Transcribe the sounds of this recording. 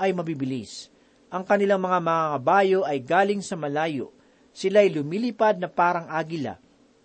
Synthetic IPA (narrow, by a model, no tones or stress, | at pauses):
ʔɐjmɐbibɪlis | ʔɐŋkɐnɪlaŋmɐŋamɐŋaŋɐbaːjo̞ʔɐjɡaːlɪŋsɐmɐlaːjo̰ʔ | sɪlaːjlʊmiːlɪpad̪̚nɐpaːɾɐŋʔaːɡɪla̰